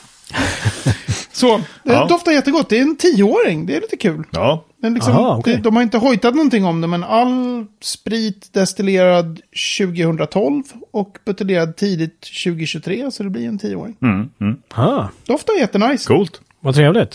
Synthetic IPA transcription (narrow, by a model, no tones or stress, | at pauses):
sɔd̪ɛæɾd̪ɔft̪ajɛt̪ːəɡɔt̪̚ːd̪ɛɾɛnt̪ʰiːəoːɾɪŋd̪ɛæɾliːt̪əkʰʉ̟ːlɑːd̪ɛnlɪksɔɔkd̪ɛd̪ɔmhaɾɪnt̪əɦɔjt̪at̪nɔnt̪ɪŋːɔmd̪ɛmɛnalːspɾiːt̪d̪ɛst̪ɪleːɾad̪ɕʉ̟ːɡɪhɵnd̪ɾat̪ʰɔlvɔkbɵt̪əleːɾad̪̚t̪ʰiːd̪ɪt̪ɕʉ̟ːɡɪɕɵt̪ʰɾeːsɔd̪ɛblɪɾɛnt̪ʰiːəo̰ːɾɪŋ | hɑd̪ɛɔft̪aɛɾjɛt̪ːənajskʰuːlt̪ | vat̪ʰɾeːvlɪt̪